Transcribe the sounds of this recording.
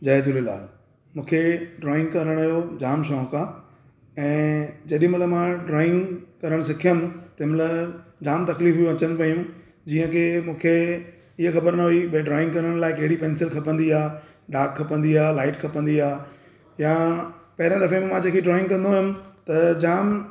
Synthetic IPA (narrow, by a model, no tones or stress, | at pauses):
d͡ʑɐːed̪ʊlela̰ːl | mũːkʰeɖɾɔːɪ̃ŋɡkɐɾəɽ̃aɦjod͡ʑaːmʃɔːkʰãː | ɛ̃ːd͡ʑɐɗɪ̃mʊləmãɖɾɔːɪ̃ŋɡkɐɾəɽ̃sɪkʰijəm̃t̪ɐɦɪmlɐd͡ʑaːmt̪ɐkliːfɦujõɐt͡ɕəñɪ̆pɐijũ | d͡ʑiːə̃kʰemũːkʰe | ɪɦəxɐbəɾnɐɦuiɓɖɾɔːɪ̃ŋɡkɐɾəɽ̃laːɪkɐɦɪɽipɛːnsɪlkʰɐpə̃nd̪iaː | ɖaːkʰːɐpə̃nd̪iaːlaːɪʈkʰɐpə̃nd̪iaː | japɐɦɪɾãd̪ɐfemẽmãd͡ʑekʰiɖɾɔːɪ̃ŋɡkɐ̃nd̪oɦʊmɪt̪ɐd͡ʑaːm